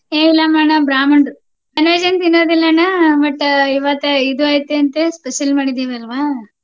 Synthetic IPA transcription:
eːʋilːamaːɳɐbɾaːmɐɳɖɾu | ɐnʋɐd͡ʒɐnt̪inːoːd̪ilːɐnabɐʈːiʋat̪ɐid̪uaːjit̪ːeɐnt̪espeʃɐlmaːɽid̪iʋɐlɐʋaː

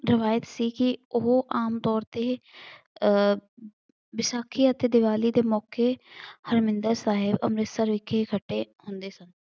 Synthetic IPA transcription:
ɾɪʋaːjət̪siːkɪʊɦʔaːmt̪ɔːɾt̪eː | bɪʃaːkʰiːət̪eːd̪ɪʋaːliːd̪eːmɔːkeːhəɾmɪ̃nd̪əɾsaːɦɪbə̰mɾɪt̪səɾʋɪkʰekʰəʈːeːhʊnd̪eːsən

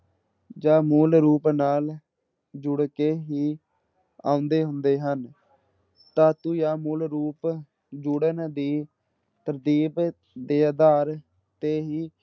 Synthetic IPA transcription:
d͡ʒaːmuːlɾuːpnaːl | d͡ʒʊɽkeːɦiː | ã̰ːʊ̃nd̪eːɦʊnd̪eːɦən | t̪ãːt̪ũːjaːmuːlɾuːp | d͡ʒʊɽənd̪iː | t̪əɾd̪iːb | d̪eːaːd̪aːɾ | t̪eːɦiː

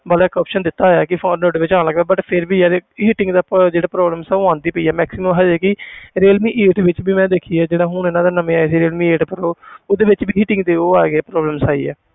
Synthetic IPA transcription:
bəlːkɔːpʃənd̪ɪt̪ːaːjaːkɪfʰõːnoːɖʋɪt͡ʃãːnləɡd̪aːbəʈpʰɪɾbiːaːɾeɦɪʈɪ̃ŋɡd̪aːd͡ʒeːɽaːpɾɔːbləmsɛːoãːnd̪iːpəiːɛːmɛːksiməmɦaːd͡ʒɛːkɪɾeːlmiːʔeːʈʋɪt͡ʃbiːmɛ̃ːd̪eːkʰiːɛːd͡ʒeːɽaːɦʊɳeːnãːd̪aːnəmẽːaːeseːɾeːlmĩːeːʈpəɾoːoːd̪eːʋɪt͡ʃbiːɦɪːʈɪ̃ŋɡd̪eːoːaːɡɛːpɾɔːbləmsaːḭːɛ̰ː

